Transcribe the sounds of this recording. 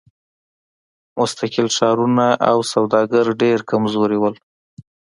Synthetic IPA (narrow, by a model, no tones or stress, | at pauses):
mʊst̪akɪlʃɑɾunaʔawsawd̪ɑɡaɾɖeɾkamzoɾewəl